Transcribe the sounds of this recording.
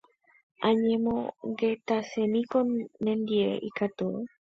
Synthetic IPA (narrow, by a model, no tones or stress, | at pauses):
ʔaɲemoɡet̪asenikonːend̪iḛʔḭkat̪o